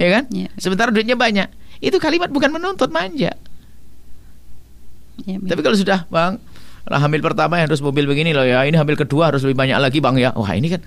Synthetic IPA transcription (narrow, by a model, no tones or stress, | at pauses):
jakansəmənt̪aɾaduɪt̪̚ɲabaɲaʔit̪ukalimat̪̚bukanmənɔnt̪ɔt̪̚maɲd͡ʒa̰ʔ | apikalosudahbaŋ | lʔa̰ɦambɪlpərt̪amajaaɾʊs̬mobɪlbəɡinilɔjainiɦambɪlkəduaɦaɾʊs̬ləbɪɦbaɲa̰ʔlaɡibaŋjawa̰hḭnikan